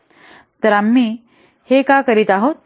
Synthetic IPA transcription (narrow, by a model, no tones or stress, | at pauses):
t̪əɾamːiː | hekakəɾit̪aɦot̪̚